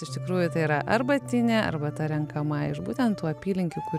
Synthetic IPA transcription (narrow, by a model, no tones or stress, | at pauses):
ɪʃt̪ʲɪkɾuːjʊt̪ɐɪiːɾɐʔɐ̰rbɐt̪ʲɪnʲeɐ̰ɾbɐt̪ɐɾʲɛŋkɐmɐɪʃbuːt̪ʲɛnt̪t̪uːɐpʲiːlʲɪŋʲkʲʊkʊ